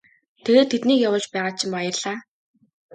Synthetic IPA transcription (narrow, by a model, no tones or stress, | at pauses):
t̪ʰeɣeːt̪ʰːet̪niːkjawə̆ɮt͡ɕpæːʁaːt͡ɕʰɪmpajə̆rɮ̥aː